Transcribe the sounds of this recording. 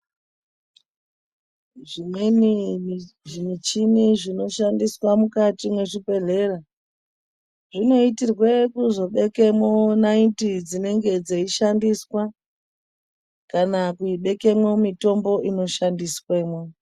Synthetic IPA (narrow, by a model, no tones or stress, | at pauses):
ʐimweni | ʐimit͡ʃiniʐino̞ʃandiswamukatimwe̞ʐipe̞ɮe̞ra | ʐino̞itirwe̞kuzo̞ɓe̞ke̞monaintid͡zine̞ŋɡe̞d͡zeiʃandiswa | kanakuiɓe̞ke̞mwo̞mito̞mbo̞ʔino̞ʃandisweːmwo